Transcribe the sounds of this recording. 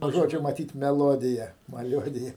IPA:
nuɔ ˈʒoːd͡ʒʲoː mɐˈtʲiːt mʲɛˈlˠoːdʲɪjɛ mɐˈlʲuɔdʲɪjɛ

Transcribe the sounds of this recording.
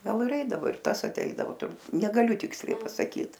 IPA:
ˈɡɐlˠ ɪr ˈɛɪdɐʋoː ɪr ˈtɐs ɐˈtʲɛɪdɐʋoː tʊr nʲɛɡɐˈlʲʊ ˈtʲɪksʲlʲɛɪ pɐsɐˈkʲiːt

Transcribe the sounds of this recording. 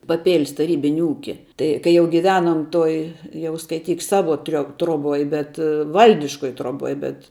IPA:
pɐˈpʲeːlʲs tɐˈrʲiːbʲɪnʲɪ ˈuːkʲɪ ˈtɐɪ kɐɪ ˈjɛʊ ɡʲɪˈʋʲæːnoːm ˈtoːj ˈjɛʊ skɐɪˈtʲiːk ˈsɑːʋoː tʲrʲoː troːˈboːj bʲɛt ˈʋɐlʲdʲɪʃkoːj troːˈboːj bʲɛt

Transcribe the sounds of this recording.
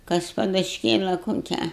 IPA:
ˈkɐs pɐdʊʃʲˈkʲeːlˠɐ koːˈkʲæː

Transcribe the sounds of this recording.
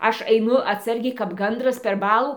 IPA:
ˈɐʃ ɐɪˈnʊ ɐtˈsɐrʲɡʲɛɪ kɐp ˈɡɐndrɐs pʲɛr ˈbɑːlˠuː

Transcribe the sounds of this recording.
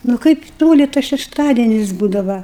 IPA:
nʊ ˈkɐɪp ˈtoːlʲɪ tɐs ʃʲɛʃˈtɑːdʲiɛnʲɪs ˈbuːdɐʋɐ

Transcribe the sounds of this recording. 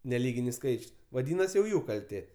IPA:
nʲɛˈlʲiːɡʲɪnʲɪs ˈskɐɪt͡ʃʲʊs ʋɐˈdʲiːnɐsʲɪ jɛʊ ˈjuː kɐlʲˈtʲeː

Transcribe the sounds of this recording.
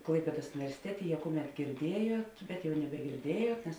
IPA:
ˈklˠɐɪpʲeːdoːs ʊnʲɪʋʲɛrʲsʲɪˈtʲæːtʲeː jɛ ˈkʊˌmʲɛt ɡʲɪrʲˈdʲiɛjuɔt ˈbʲɛt jɛʊ nʲɛbʲɛɡʲɪrʲˈdʲiɛjuɔt nʲɛs

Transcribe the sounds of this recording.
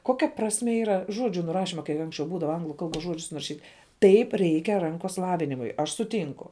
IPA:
ˈkoːkʲɛ prɐsʲˈmʲeː iːˈrɐ ˈʒoːd͡ʒʲʊ nʊˈrɑːʃʲɪmɐ kɐɪ ˈɐŋksʲt͡ʃʲɛʊ ˈbuːdɐʋɐ ˈɐŋɡlˠʊ ˈkɐlˠˌboːs ˈʒuɔd͡ʒʲʊs nʊrɐˈʃʲiːtʲ ˈtɐɪp ˈrʲɛɪkʲɛ ˈrɐŋkoːs ˈlˠɑːʋʲɪnʲɪmʊɪ ɐʃ sʊˈtʲiːŋkʊ

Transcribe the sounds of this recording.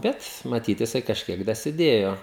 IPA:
ˈbʲɛt mɐˈtʲiːt jɪˈsɐɪ kɐʃʲˈkʲiɛk dɐsʲɪˈdʲeːjoː

